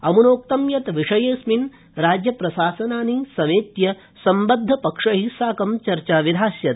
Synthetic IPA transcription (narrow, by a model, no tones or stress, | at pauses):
ɐmunoːk̚t̪ɐmjɐt̪ʋiʂɐjeːsmin | ɾaːd͡ʒjɐpɾɐsaːsɐnaːnisɐmeːt̪jɐ | sɐmbɐd̪ʱːɐpɐkʂɐɦisaːkɐmt͡ʃɐɾt͡ʃaːʋid̪ʱaːsjɐt̪